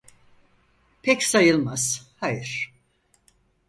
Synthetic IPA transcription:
pʰɛcsajɯlˠmaz̥hajɯɾ̥

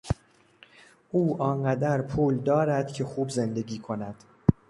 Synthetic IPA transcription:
ʔuːʔɒːnɢæd̪æɾpʰuːld̪ɒːɾæd̪̥cʰe̞xuːbze̞nd̪e̞ɡiːkʰo̞næd̪̥

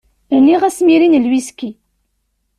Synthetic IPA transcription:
əɾniʁæsmiɾinəlwiski

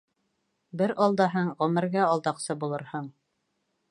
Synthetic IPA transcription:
bɘɾʔɑlˠd̪ɑɦɤɴʁɵ̆mɘ̆ɾɡæɑlˠd̪ɑqsɤbulˠɤ̆ɾhɤɴ

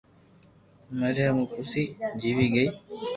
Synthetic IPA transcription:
məɾjaːmũːkʊsiːd͡ʒiːʋiːɡəiː

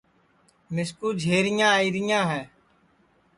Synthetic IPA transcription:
mɪskuːd͡ʒʱeːɾɪjãːiːɾɪjãːɦɛː

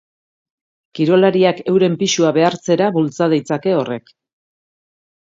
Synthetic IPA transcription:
kiɾo̞laɾiake̞wɾe̞mpiʃuaβe̞aɾt͡se̞ɾaβult͡sað̞ejt͡sake̞o̞re̞k

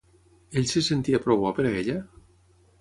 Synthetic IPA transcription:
eʎsesent̪iapɾoβapeɾaeʎa

